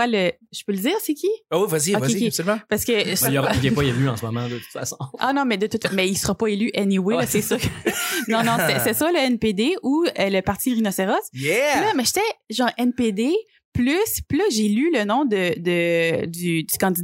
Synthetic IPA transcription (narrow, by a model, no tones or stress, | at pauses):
walə | ʒ̥ə̥pøləd͡z̪iːʁsekʲʰiawivwaziovwaeiapsɔymɑ̃paʁsə̥kəjɔʁɛɛpɔelyɑ̃səmɔmɑ̰̃d̪ət̪u̥t̪fa̰sɔ̃anɔ̃mɛd̪ət̪ut̪famɛilsəʁapʌelyʔɛniwesɛsɔknɔ̃nɔ̃sɛsɛsaləɛnped̪euələpaʁt̪iʁinɔseʁɔsjɛlɐmɛʒet̪ɛʒɑ̃ːʁɛnped̪e | plyspilɐʒelylənɔ̃d̪əd̪əd̪yd̪ykɑ̃d̪id̪